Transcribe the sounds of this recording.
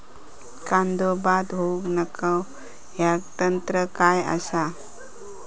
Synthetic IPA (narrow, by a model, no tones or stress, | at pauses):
kand̪obad̪ɦouknəkʰaw | ɦjakt̪ənt̪ɾəkaja̰sa